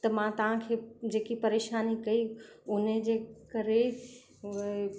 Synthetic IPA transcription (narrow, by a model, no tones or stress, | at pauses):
t̪ɐmãt̪ɐʋ̤ãkʰeːd͡ʑeːkipɐɾeːʃaːnikɐiʊnəd͡ʑeːkɐɾe